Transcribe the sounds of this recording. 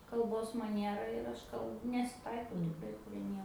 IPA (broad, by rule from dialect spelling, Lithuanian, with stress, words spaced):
kɐlˠˈboːs mɐˈnʲiɛrɐ ɪr ˈɐʃ kɐlˠ nʲɛsʲɪˈtɐɪkɐʊ tʲɪkˈrɐɪ pʲrʲiɛ ˈnʲiɛ